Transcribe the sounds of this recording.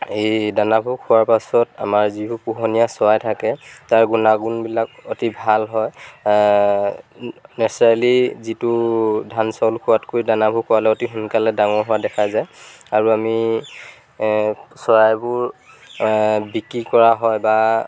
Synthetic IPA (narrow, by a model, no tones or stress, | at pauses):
ejdanabʱukʰːʊwaɹpasɔta̰maɹzibupuɦɔnijasɔɹajtʰakɛtaɹɡunaɡunbilakɔtibʱalɦɔj | nɛsɔalizitʊdʱansɔlkʰʊwatkojdanabʱukʰʊwalɛɔtiɦunkalɛdaŋɔɹɦʊwadɛkʰazajaɹuami | sɔɹajbʊɹ | bikɹikɔɹaɦɔjba